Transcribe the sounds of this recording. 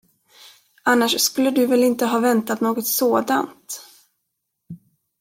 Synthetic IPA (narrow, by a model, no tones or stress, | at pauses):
anːaʂskɵlːəd̪ɵvɛlɪnt̪əɦɑːvɛnt̪at̪noːɡɔt̪soːd̪a̰nt̪